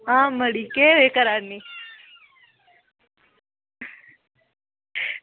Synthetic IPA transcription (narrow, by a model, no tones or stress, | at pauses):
ɦãməɽikeʋekəɾani